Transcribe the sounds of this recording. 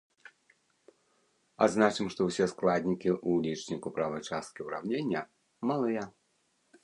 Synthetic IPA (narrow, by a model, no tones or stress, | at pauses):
a̰d̪znat͡ʂɨmʂt̪ɔwsʲɛsklˠad̪ʲnʲikʲiʔulʲit͡ʂnʲikupɾavɐjt͡ʂast̪̚kʲiuɾa̰wnʲenʲːɐ | malˠɨjɐ